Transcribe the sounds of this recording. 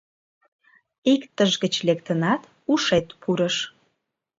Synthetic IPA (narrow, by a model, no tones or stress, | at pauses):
ikt̪əʒɣət͡ɕlekt̪ənɑt̪ | uʃet̪pʰuɾəʃ